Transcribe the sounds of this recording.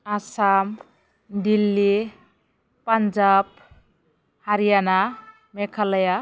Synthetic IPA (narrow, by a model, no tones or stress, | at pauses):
asam | ɖilːi | pand͡ʒab̚ | haɾijana | mekʰaləja